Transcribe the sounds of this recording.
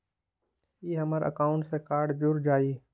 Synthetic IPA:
jeɦɐməɾə̰kaːʊ̃ɳʈsekaːɾɖd͡ʒʊɾd͡ʒaːi

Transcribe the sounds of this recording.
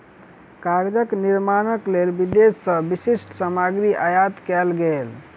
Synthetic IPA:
kaɾd͡ʒəkniɾmanəklelbid̪esːəbisisʈsəmaɡɾiʔajat̪kɛlɡel

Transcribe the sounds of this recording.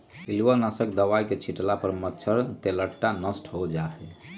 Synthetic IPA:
ilʋənəsəkd̪əʋajket͡ʃʰiʈlapəɾmətːt͡ʃʰəɾt̪eləʈːanəsʈʰɦod͡ʒaɦɛ

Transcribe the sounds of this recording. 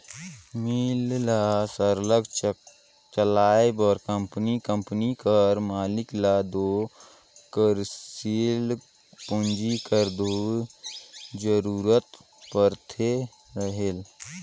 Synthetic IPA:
millasəɾləɡ | t͡ʃəlaːbɔːɾkə̃mpnikə̃mpnikəɾmaːlɪklaːd̪oː | kəɾsil | pʊ̃nd͡ʒikəɾd̪o | d͡ʒəɾuːɾət̪ | pəɾt̪ʰe | ɾəɦel

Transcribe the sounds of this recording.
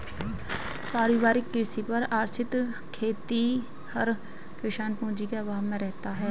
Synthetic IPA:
paːɾɪʋaːɾɪkːɪɾsipɐɾaːɾt͡ʃɪt̪ | kʰeːt̪i | hɐɾ | kɪʃaːnpũːd͡ʒikeɐʋaːmẽɾɛɦt̪aɦɛː

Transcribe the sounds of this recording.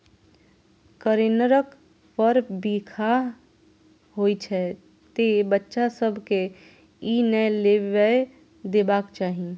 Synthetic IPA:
kəɾenəɾək | pəɾbiːkʰa | ɦoːit͡ʃʰɛ | t̪ebətːʃasəbʱke | inɛleə | d̪eːbaːkt͡ʃaːɦie

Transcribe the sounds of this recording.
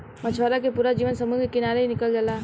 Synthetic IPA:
mət͡ʃʰʋaɾakepuːɾad͡ʒiːʋənsəmuɡkɪnaːɾeɦinɪkəld͡ʒala

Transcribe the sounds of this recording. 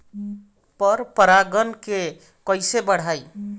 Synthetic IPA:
pəɾpəɾaɡənke | kəɪsebəɽ̤aj

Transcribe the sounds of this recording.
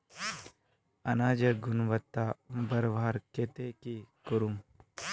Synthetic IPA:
ɐnaːd͡ʒɐɡʊnʋət̪ːabɐɾʋaːɾkeːt̪ekikuɾum

